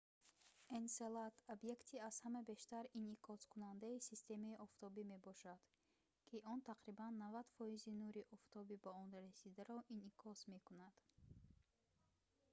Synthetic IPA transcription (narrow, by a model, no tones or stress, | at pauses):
enselat̪ʰobje̞kt̪ʰiaz̥hamabe̞ʃt̪aɾinikʰɔskunand̪aisist̪e̞maiʔɔft̪ʰɔbime̞bɔʃad̪̥ | kʰiʔɔnt̪ʰaqɾibanːavad̪fɔizinuɾiʔɔft̪ʰɔbibaɔnɾasid̪aɾɔʔinikʰɔsme̞kunad̪̥